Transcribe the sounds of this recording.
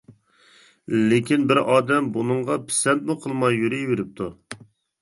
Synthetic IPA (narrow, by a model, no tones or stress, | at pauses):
lekʲinbɪɾɑːd̪ɛmbunɨɴʁɑpʰɪ̥sɛnt̪mʊqʰəlˠmɑjːyɾijveɾɪp̚t̪ʰu